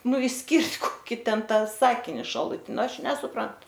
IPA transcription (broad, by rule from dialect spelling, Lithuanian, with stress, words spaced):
ˈnʊ ɪʃʲˈsʲkʲɪrʲtʲ koːˈkʲiː tʲɛn ˈtɑː ˈsɑːkʲɪnʲɪ ʃɐlˠʊˈtʲɪn ˈnʊ ˈɐʃ nʲɛsʊˈprɐnt